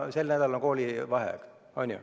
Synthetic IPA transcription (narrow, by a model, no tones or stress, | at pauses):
se̞lnæd̪̥ɑloŋko̞ːlʲiʋɑɦḛk | onʲjṵ